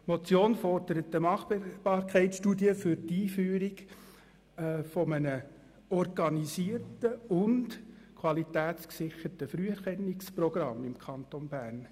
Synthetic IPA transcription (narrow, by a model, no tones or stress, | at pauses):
mɔt͡sjoːnfɔrd̥əɾətəmɑχb̥ɑːɾkʰɛɪtsʃtuːdiəfʏɾtiːfyːɾiɡ | fɔmənə | ɔrɡɑnisiːrtəʊnd | kʰwɑlitæːtsksɪχəɾtəfɾyɛɾχɛnːiksprɔɡ̥rɑmːɪmkʰɑntonbæːrn